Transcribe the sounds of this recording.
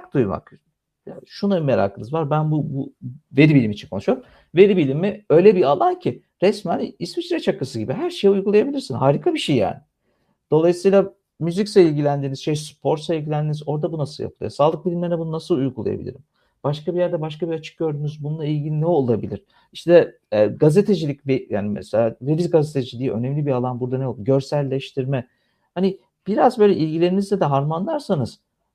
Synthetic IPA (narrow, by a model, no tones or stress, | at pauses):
k̚d̪ujma̰k | jaʃunameɾa̰ːkʰɯnɯzvaɾbænbubuve̞ɾibilʲimit͡ʃʰinkʰo̞nuʃujoɾum | mve̞ɾibilʲimːiø̞jlʲɛbialˠancʰi | ɾɛsmænismisyɾɛt͡ʃakːasɯɟibiɦæɾʃejujɡulˠajabilʲiɾsinɦaːɾikʰabiʃejːa̰ːnɪ | d̪̥o̞lˠajɯsijlˠa | myzicseilʲɟʲilʲænd̪inizʃɛspʰo̞ɾsailʲɟʲilʲænd̪iːnizo̞ɾd̪abunasɯlˠja̰pʰɯlˠɯ̰saːlˠɯk̚bilʲimʲeɾnɛbununasɯlˠujɡulˠa̰ja̰bḭlʲḭɾim | b̥aʃkabiɾjæɾd̪ɛbaʃkabiɾat͡ʃʰɯ̥k̚ɟø̞ɾd̪yːnyzbununˠailʲɟininɛo̞lˠabilʲiɾ̥ | iʃt̪ʰɛː | ɡaze̞t̪ʰed͡ʒilʲicveja̰ːnimɛ̰selʲaːɾevizɡazet̪ʰed͡ʒilʲijiʔø̞̰nɛmlʲibialˠanbuɾd̪anɛold̪uɟø̞ɾsælʲːeʃt̪ʰiɾmɛ | hani | b̥iɾazbøjlʲɛʔilʲɟilʲe̞ɾimizd̪ɛd̪ɛɦaɾmanlˠaɾsanɯz̥